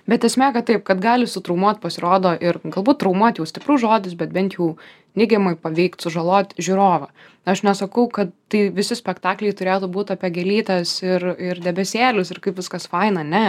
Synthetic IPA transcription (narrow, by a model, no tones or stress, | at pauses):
bʲɛt̪ɛsʲmʲæːkɐtt̪ɐɪp̚kɐt̪ɡɑːlʲɪsʊt̪ɾɐʊmuɔt̪̚ʲpɐsʲɪɾoːd̪oːʔɪrɡɐlˠbuːt̚t̪ːɾɐʊmuɔt̪ʲjɛʊsʲt̪ʲɪpɾʊʒoːd̪ʲɪsbʲɛt̪̚bʲɛnʲt̪jɛʊ | nʲɪɡʲɛmɐɪpɐʋʲɛɪkt̪sʊʒɐlˠoːt̪ʲʒʲuɾoːʋɐ | ɐʃnʲɛsɐkɐʊkɐt̪ːɐɪʋʲɪsʲɪsʲpʲɛkt̪ɑːklʲɛɪt̪ʊɾʲeːt̪uːbuːt̪ɐːpʲɛɡʲɛlʲiːt̪ɐsɪrɪrdʲɛbʲɛsʲeːlʲʊsɪrkɐɪpʋʲɪskɐsfɐɪnɐnʲɛ